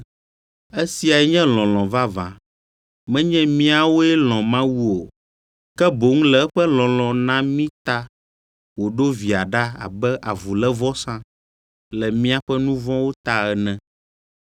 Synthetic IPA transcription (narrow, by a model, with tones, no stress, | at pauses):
ɛ˦si˦a˨ɛ˦ɲɛ̃˦lɔ̃˨lɔ̃˨va˦vã̰˨ | mɛ̃˦ɲɛ̃˦mĩ˦a˨wo˦ɛ˦lɔ̃˨mã˦wu˦o˨ | kɛ˦bo˨ŋ̩̃˦lɛ˨ɛ˦ɸɛ˦lɔ̃˨lɔ̃˨nã˦mĩ˦t̪a˦ | wo˨ɖo˦vi˨a˨ɖa˦a̰˨bɛ˦ʔa˨vu˨lɛ˦vɔ˦sã˦ | lɛ˨mĩ˦a˦ɸɛ˦nũ˦vɔ̃˦wo˦t̪a˦ɛ˨nɛ̃˦